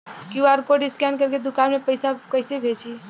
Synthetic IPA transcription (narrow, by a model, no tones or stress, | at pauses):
kiuaɾkoɖiskɛnkəɾked̪ukanmepəjsakəɪsebʱet͡ʃʰi